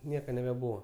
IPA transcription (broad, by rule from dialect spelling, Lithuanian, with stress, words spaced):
ˈnʲiɛkɐ nʲɛbʲɛˈbuːʋɐ